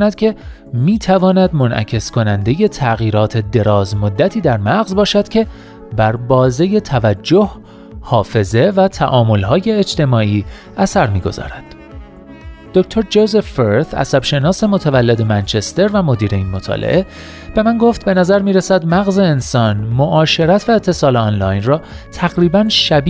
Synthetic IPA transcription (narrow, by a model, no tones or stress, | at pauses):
næd̪̥̚cʰe̞ | miːt̪ʰævɒːnæd̪mo̞nʔæ̰cʰe̞skʰo̞nænd̪e̞jet̪ʰæɣiːɾɒːt̪ʰe̞d̪e̞ɾɒːzmo̞d̪ːæt̪ʰiːd̪æɾmæɣzbɒːʃæd̪̥cʰʲe̞ | bæɾbɒːze̞je̞t̪ʰævæd͡ʒːoh | hɒːfe̞ze̞væt̪ʰæ̰ʔɒːmo̞lɦɒːje̞ːd͡ʒt̪ʰe̞mɒːʔiː | æsæɾmiːɡo̞zɒ̰ːɾæd̪̥ | d̪̥ocʰt̪ʰo̞ɾd͡ʒozefːeɾt̪æ̰sæb̥ʃe̞nɒːse̞mo̞t̪ʰævælːe̞d̪e̞mænt͡ʃʰe̞st̪e̞ɾvæmo̞d̪iːɾe̞iːnmo̞t̪ʰɒ̰ːlʔḛʔe̞ | b̥e̞mænɡoft̪̚be̞næzæɾmiːɾesæd̪mæɣze̞ːnsɒːnmoʔɒːʃe̞ɾæt̪ʰvæet̪ʰːe̞sɒːleɒːnlɒːjnrɒː | t̪ʰæɣɾiːbænʃæb